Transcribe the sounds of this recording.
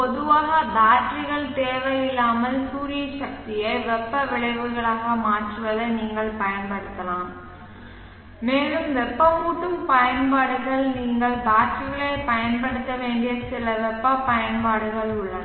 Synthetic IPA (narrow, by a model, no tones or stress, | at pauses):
pɔðɯʋaːɣɐbaːʈrɪɣɐɭt̪eːʋɐjɪlːaːmɐlsuːɾɪjɐʃɐk̚t̪ɪjɐɪʋɛpːɐʋɪɭɐɪʋɯɣɐɭaːɣɐmaːʈrɯʋɐðɐɪniːŋɡɐɭpɐjɐnpɐɽɯt̪ːɐlaːm | meːlɯmʋɛpːɐpuːʈːɯmpɐjɐnpaːɽɯɣɐɭniːŋɡɐɭbaːʈrɪɣɐɭeːpɐjɐnpɐɽɯt̪ːɐʋeːɳɖɪjɐsɪlɐʋɛpːɐpɐjɐnpaːɽɯɣɐɭʊɭːɐ